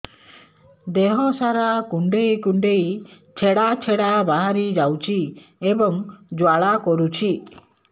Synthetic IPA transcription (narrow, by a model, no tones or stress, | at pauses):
d̪ɛɦɔsaɾakuɳɖejkuɳɖej | t͡ʃʰɛɽat͡ʃʰɛɽabaɦaɾid͡ʒawt͡ʃʰiebɔŋd͡ʒwaɭakɔɾut͡ʃʰi